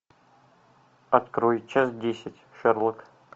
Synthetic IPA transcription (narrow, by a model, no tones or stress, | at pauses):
ɐt̪kɾojt͡ɕːasdʲesʲɪtʲʂɨrlˠɨk